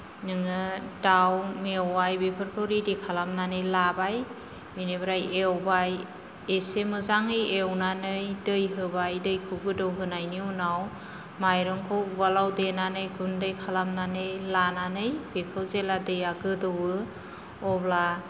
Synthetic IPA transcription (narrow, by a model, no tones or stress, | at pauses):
nɯŋɯdawmewajbepʰɯɾkʰɯwɾidekʰalamnanɯjlabaj | binebɾajewbaj | esemɯzaŋɯjewnanɯjdɯjɦɯbajdɯjkʰɯɡɯdɯwɦɯnajniunaw | majɾɔŋkʰɯwwalawdenanɯjɡundɯjkʰalamnanɯjlananɯjbekʰɯwzeladɯjaɡɯdɯwɯ | ɔbla